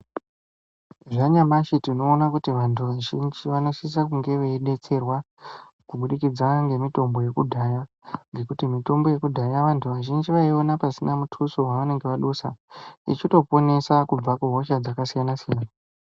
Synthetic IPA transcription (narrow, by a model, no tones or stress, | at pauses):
ʐaɲamaʃitino̞ːnakutiʋantʰuʋaʒind͡ʒiʋanoʃis̬akuŋɡe̞ʋeiɗe̞t͡se̞rwa | kuɓuɗikid͡zaŋɡe̞mito̞mbo̞je̞kudʱaja | ŋɡe̞kutimito̞mbo̞je̞kudʱajaʋantʰuʋaʒind͡ʒiʋaio̞napasinamutʰusowaʋane̞ŋɡe̞ʋaɗusa̰ḭt͡ʃito̞po̞ne̞sakub͡vakuɦo̞ʃad͡zakasijanasijanaa